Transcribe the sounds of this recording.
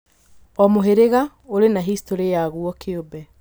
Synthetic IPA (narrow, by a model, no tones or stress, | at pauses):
ɔmoɦeɾeɣa | oɾenaɦistoɾejaɣuɔkʰeobɛ